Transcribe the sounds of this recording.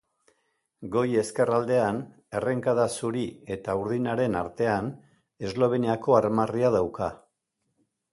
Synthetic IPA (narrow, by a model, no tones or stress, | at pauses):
ɡo̞je̞ske̞rald̪e̞an | e̞re̞ŋkaðasuɾie̞t̪auɾð̞inaɾe̞naɾt̪e̞an | e̞zlo̞β̞e̞niako̞aɾmariaðawka